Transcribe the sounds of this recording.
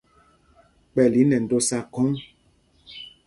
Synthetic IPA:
k͡pɛ˨li˨˦nɛ˨n̩˨do˦sa˦kɔ˦ŋ

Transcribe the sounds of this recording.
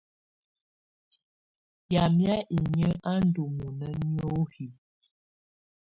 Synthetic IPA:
ja˨mja˦ʔi˨ɲə˦a˦n̩˦du˨mu˨nə˦njo˦hi˨

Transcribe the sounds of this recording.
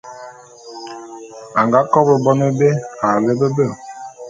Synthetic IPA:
a˨ŋɡa˦kɔ˦bə˨bɔ˦nə˦be˦a˨le˦bə˦bə˦˨

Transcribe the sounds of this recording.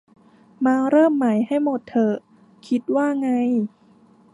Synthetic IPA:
maː˧ɾɤː˥˩mːa˩˦jɦa˥˩jmo˨˩t̪ʰːɤ˧˩ | kʰi˦˥t̪̚waː˥˩ŋa˧j

